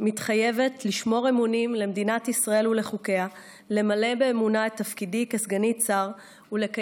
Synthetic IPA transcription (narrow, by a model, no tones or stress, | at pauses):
mitχajeve̞tliʃmo̞ʁemunimle̞med̪inatisʁae̞lule̞χuke̞a | le̞male̞beːmunaetːafkidikesɡanit͡saʁ | uleka